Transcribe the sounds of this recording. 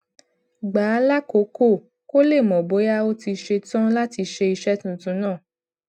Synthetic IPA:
ɡ͡baː˨˦la˦ko˨˦ko˦˨ | ko˦le˦˨mɔ̃˨bo˨˦ja˦o˦ti˧ʃe˧tɔ̃˦la˦ti˧ʃe˧i˧ʃɛ˦tũ˦˨tũ˨˦nãː˦˨

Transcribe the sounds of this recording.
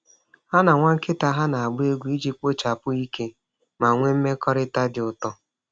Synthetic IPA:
a˦na˨ŋʷa˦ŋ̩˦kɪ˦ta˦ɦa˦na˨a˨ɡ͡bʊ˦e˦ɡʷu˦i˦d͡ʒi˦k͡po˦t͡ʃa˨pʊ˦i˦ke˦ | ma˨ŋʷe˦m̩˦me˦kɔ˦ɾɪ˦ta˦dɪ˨ʊ˨tɔ˦

